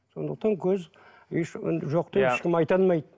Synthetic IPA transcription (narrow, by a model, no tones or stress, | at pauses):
so̞̰nd̪əq̚t̪ɑŋkʲʰɵz | eʃɪ̰nʒoqt̪eɪʃkʲɪmɑjt̪ɑnmɑjd̪